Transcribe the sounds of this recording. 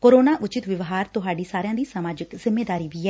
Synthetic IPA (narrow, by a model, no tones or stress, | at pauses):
koːɾoːnaːʔʊt͡ʃɪt̪ʋɪʋɦaːɾt̪ʊɦaːɖiːsaːɾjãːd̪iːsəmaːd͡ʒɪkzɪmeːd̪aːɾiːʋiːɛː